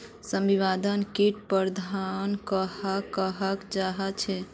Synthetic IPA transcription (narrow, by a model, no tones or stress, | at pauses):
səmbiβad̪ənkiʈpəɾd̪ʱankəɦakəɦəkd͡ʒaɦət͡ʃʰɛ